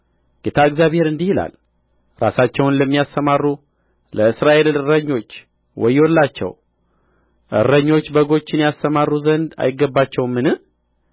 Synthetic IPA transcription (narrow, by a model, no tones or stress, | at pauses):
ɡ̥et̪ʰaɨɡzʲjaβhe̞ɾɨnd̪ihila̰l | ɾa̰sat͡ʃːɛwnləmːijast̪əmarːu | ləɨsɾaʔe̞lɨɾəɲːo̞t͡ʃː | wʔɔjːwolːat͡ʃːɛ̰w | ʔɨ̰rːəɲːo̞t͡ʃːbəɡo̞t͡ʃːɪnjast̪əmarːuzənd̪a̰jɪɡːəbːat͡ʃːɛwmːɨnɨ